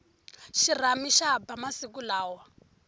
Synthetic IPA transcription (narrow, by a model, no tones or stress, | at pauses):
ʃir̤amiʃabamasik̬ulaːwa